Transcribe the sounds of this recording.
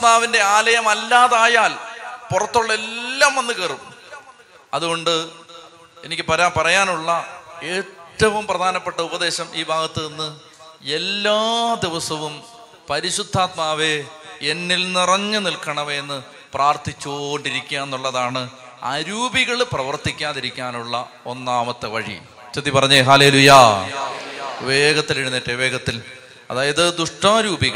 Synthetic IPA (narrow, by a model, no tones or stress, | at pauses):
maːʋinde̞aːlɐjɐmɐlːaːðaːjaːlpurɐt̪ːuɭːelːaːmʋɐnːɨkɐrum | ɐ̰ðuɣo̞ɳɖɨ | e̞nikʲːɨpɐɾaːpɐrɐjaːnuɭːɐe̞ːʈːɐʋumprɐd̪ʱaːnɐpːeʈːɐubɐd̪e̞ːɕɐmiːbʱaːɡɐt̪ːɐenːɨ | e̞lːaːd̪iʋɐsɐʋum | pɐɾiɕud̪ʱːaːt̪̚maːʋeenːilnirɐɲːɨnilkɐɳɐʋeenːɨ | praːrt̪it͡ɕːoɳɖiɾikʲːuɐe̞nːuɭːɐðaːɳɨ | a̰ɾuːbiɣɐɭprɐʋɐrt̪ikʲːaːðiɾikʲːaːnuɭːɐ | o̞̰nːaːmɐt̪ːɨʋɐɻḭ | t͡ɕɐd̪ːipɐrɐɲːeɦaːlelujɐ | ʋeːɡɐt̪ːileɻunːiʈːeʋe̞ːɡɐt̪ːil | ɐðaːjɐðɨd̪uʂʈaːɾuːbiɣɐ